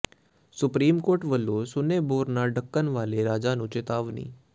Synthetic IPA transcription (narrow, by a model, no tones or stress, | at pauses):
sʊpɾiːmkoːɾʈʋəlːosʊneːboːɾnaɖəkːənʋaːleɾaːd͡ʒaːnũːt͡ʃet̪aːʋnḭː